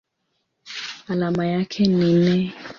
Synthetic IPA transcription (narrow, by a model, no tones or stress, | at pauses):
alamajakʰɛninɛ